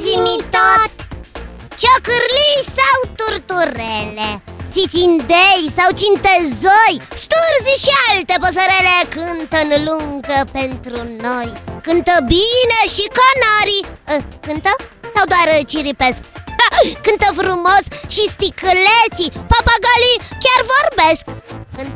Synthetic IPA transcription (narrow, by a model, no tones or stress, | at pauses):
zimit̪ot̪ | t͡ʃokɨɾlisawt̪urt̪uɾelet̪sit̪sind̪ejsawt͡ʃint̪ezojst̪urziʃialt̪epəs̬əɾelekɨnt̪ənluŋɡəpent̪ɾunojkɨnt̪əbineʃikonaɾiəkɨnt̪əsawd̪oaɾət͡ʃiɾipesk | kɨnt̪əfɾumosʃist̪ikɨlet̪sipapaɡalikʲjarvorbeskkɨn